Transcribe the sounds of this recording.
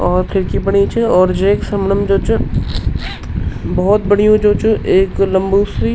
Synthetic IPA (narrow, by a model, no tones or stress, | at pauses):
ɔːɾpʰɪɾkibɐɽ̃ĩt͡ʃʰɔːɾd͡ʒeːksɐmnəmd͡ʒoːt͡ʃu | bɔɦɔt̪̚bɐɽ̤ijõd͡ʒoːt͡ʃʰuʔeːklɐ̃mbuːsi